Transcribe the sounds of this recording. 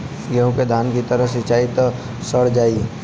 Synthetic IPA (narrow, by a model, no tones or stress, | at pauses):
jɐɦũked̪ʱaːnkit̪əɾəɦsɪt͡ʃaːit̪ | səɽ̤d͡ʒaːi